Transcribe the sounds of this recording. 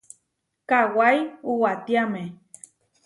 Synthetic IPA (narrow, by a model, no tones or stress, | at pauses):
kawajuwat̪iamẽ